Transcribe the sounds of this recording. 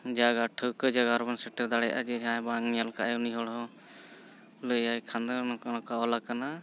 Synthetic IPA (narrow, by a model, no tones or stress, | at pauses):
d͡ʒaɡaʈʰəkəd͡ʒaɡaɾbansɛʈɛd̪aɽɛjaʔa̰d͡ʒɛãbaŋjalkaʔajɔniɦɔɽɦɔ | ləjajkʰand̪nɔkaɔlakana